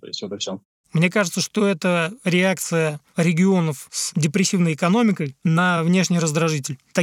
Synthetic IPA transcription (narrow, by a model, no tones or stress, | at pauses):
sʲot̪əfsʲo | mnʲe̞kaʐɨt̪səʂt̪o̞ɛt̪əɾʲɪak̚t̪sɨjə | ɾʲɪɡʲɪo̞nəfsdʲɪpɾʲɪsʲːivnəjɪkɐno̞mʲɪkəjnɐvnʲe̞ʂnʲɪjrəzd̪ɾɐʐɨtʲɪlʲt̪ɐ